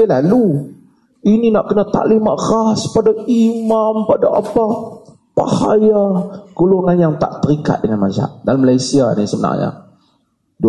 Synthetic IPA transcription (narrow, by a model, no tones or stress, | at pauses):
lalu | ininaʔkənat̪a̰limaʔraspadaimampadaʔa̰pa | pa̰hajakoluŋanjaŋt̪a̰ʔt̪əɾika̰t̪̚dəŋanmaza̰ʔdaləməlajsianisəməna̰ŋɲa̰ | d